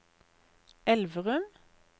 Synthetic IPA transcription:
ɛlʋəʁʉm

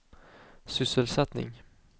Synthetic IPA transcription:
sʏsəlsɛt̪nɪ̰ŋ

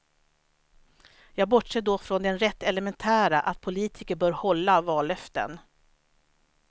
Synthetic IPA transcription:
jɑːɡ̚bɔʈʂɛːd̪ofɾɔnd̪ɛnɾɛt̪ːɛlɛmɛnt̪ʰæːɾaʔat̪̚pʰʊliːt̪ʰɪkəɾbœːɾhɔlːavɑːlœft̪ə̰n

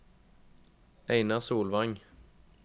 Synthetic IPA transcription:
ʔæɪnɑʁsuːlʋɑŋ

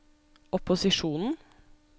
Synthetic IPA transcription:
ʔɔpʊsɪʃuːnn̩

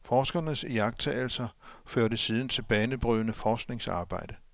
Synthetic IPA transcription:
fɒːsɡ̥ɐnəsjɑ̈ɡ̥̚t͡sʰɛ̰ːl̩sɐføɐ̰ɾəsiːð̞ˠn̩t͡sʰe̝lb̥ɛːnəb̥ʁyðˠnəfɒːsɡ̥ne̝ŋsɑ̰̈ːb̥ɑ̈ɪ̰d̥ə

